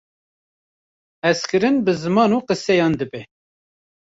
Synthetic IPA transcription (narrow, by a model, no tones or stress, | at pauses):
ɛskʰɨɾɨnbɨzɨmɑːnuːqəsɛjɑːnd̪ɨbɛ